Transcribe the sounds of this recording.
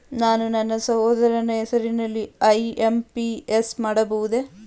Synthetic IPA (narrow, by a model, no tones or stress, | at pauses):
naːnunɐnːɐsɐɦoːd̪ɐɾɐnɐɛsɐɾinɐlːiɐjempiesmaːɽɐbɐʋud̪e̞